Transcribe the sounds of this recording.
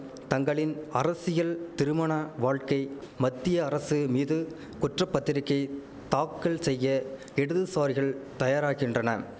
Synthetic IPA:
t̪ɐŋɡɐɭɪnɐɾɐsɪjɐlt̪ɪɾɯmɐɳaʋaːɻkɐɪ | mɐt̪ːɪjɐːɾɐsɯmiːðɯ | kʊʈrɐpːɐt̪ːɪɾɪkːɐɪ | t̪aːkːɐɭsɛjːɐ | ɛɽɯðɯsaːɾɪɣɐɭt̪ɐjaːɾaːɣɪndrɐnɐ

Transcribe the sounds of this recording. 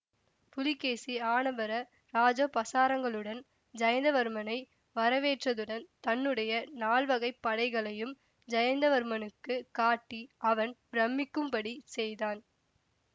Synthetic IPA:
pʊlɪkːeːsiaːnɐbɐɾɐ | ɾaːd͡ʒoːpɐsaːɾɐŋɡɐɭɯɽɐn | d͡ʒɐjɐnd̪ɐʋɐɾɯmɐnɐɪ | ʋɐɾɐʋeːʈrɐðɯɽɐnt̪ɐnːɯɽɐjɐnaːɭʋɐɣɐɪpːɐɽɐɪɣɐɭɐjɯm | d͡ʒɐjɐnd̪ɐʋɐɾɯmɐnɯkːɯkaːʈːiɐʋɐnbɾɐmːɪkːɯmpɐɽisɛjðaːn

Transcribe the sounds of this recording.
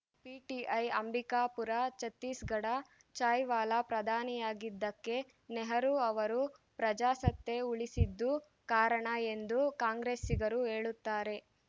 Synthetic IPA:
piːʈiʔɐjɐmbʱikaːpuɾat͡ʃɐt̪ːiːsɡɐɽa | t͡ʃaːjʋaːlapɾɐd̪ʱaːnijaːɡid̪ːɐkːe̞ | nɛɦɐɾuɐʋɐɾupɾɐd͡ʒaːsɐt̪ːeuɭisid̪ːu | kaːɾɐɳɐend̪ukaːŋɡɾeːsiɡɐɾuɦeːɭut̪ːaːɾe̞

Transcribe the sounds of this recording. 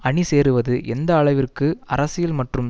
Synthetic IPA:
ɐɳiseːɾɯʋɐðɯʔɛnd̪ɐːɭɐɪʋɪrkɯɐ̰ɾɐsɪjɪlmɐʈrɯm

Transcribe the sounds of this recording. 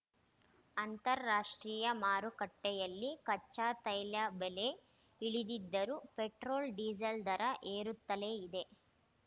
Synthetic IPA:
ɐnt̪ɐɾːaːʂʈɾiːjɐmaːɾukɐʈːɛjɐlːikɐt͡ʃːaːt̪ɐjlɐbele | iɭid̪id̪ːɐɾupeʈɾoːlɖiːd͡ʒɐld̪ɐɾɐʔeːɾut̪ːɐleːid̪e̞

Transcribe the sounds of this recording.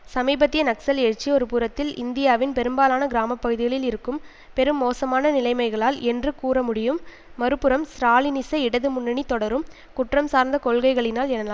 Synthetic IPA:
sɐmiːbɐt̪ːɪjɐnɐksɐleɻt͡ʃːiɔɾɯpʊɾɐt̪ːɪlɪnd̪ɪjaːʋɪnpɛɾɯmbaːlaːnɐɡɪɾaːmɐpːɐɣɯðɪɣɐɭɪlɪɾɯkːɯm | pɛɾɯmːoːsɐmaːnɐnɪlɐɪmɐɪɣɐɭaːlʔɛndrɯkuːɾɐmʊɽɪjɯmː | ɐɾɯpːɯɾɐmsɾaːlɪnɪsɐɪɽɐðɯmʊɳːɐɳit̪ːɔɽɐɾɯm | kʊʈrɐmsaːɾnd̪ɐkɔɭɣɐɪɣɐɭɪnaːlɛnːɐlaːm

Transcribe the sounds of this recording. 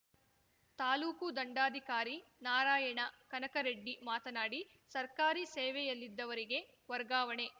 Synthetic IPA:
t̪aːluːkud̪ɐɳɖaːd̪ʱikaːɾinaːɾaːjɐɳɐkɐnɐkɐɾeɖːimaːt̪ɐnaːɽi | sɐɾkaːɾisɛːʋɛjɐlːid̪ːɐʋɐɾiɡe̞ | ʋɐɾɡaːʋɐɳe̞

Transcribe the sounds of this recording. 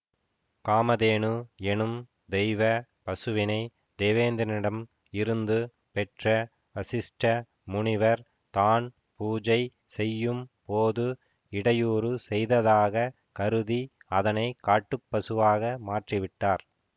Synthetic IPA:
kaːmɐðeːnɯɛnɯm | d̪ɛɪʋɐ | pɐsɯʋɪnɐɪ | d̪eːʋeːnd̪ɐnɪɽɐm | ɪɾɯnd̪ɯ | pɛʈrɐ | ɐsɪsʈɐ | mʊɳɪʋɐɾ | t̪aːn | puːd͡ʒɐɪ | sɛjːɯmpoːðɯ | ɪɽɐjuːɾɯsɛjðɐðaːɣɐ | kɐɾɯði | ɐðɐnɐɪkaːʈːɯpːɐsɯʋaːɣɐmaːʈriʋɪʈːaːɾ

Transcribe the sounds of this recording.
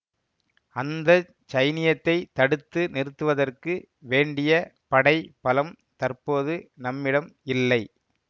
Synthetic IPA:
ɐnd̪ɐ | t͡ʃɐɪnɪjɐt̪ːɐɪt̪ɐɽɯt̪ːɯnɪrɯt̪ːɯʋɐðɐrkɯ | ʋeːɳɖɪjɐpɐɽɐɪpɐlɐm | t̪ɐrpoːðɯnɐmːɪɽɐmɪlːɐɪ

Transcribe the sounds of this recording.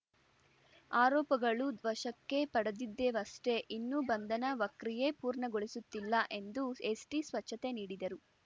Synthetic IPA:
aːɾɔːpɐɡɐɭud̪ʋɐʃɐkːe̞pɐɽɐd̪id̪ːeʋɐsʈe̞ʔinːubɐnd̪ɐnɐʋɐkɾije̞puːɾɳɐɡoɭisut̪ːilːɐʔe̞nd̪uesʈisʋɐt͡ʃʰːɐt̪e̞niːɽid̪ɐɾu

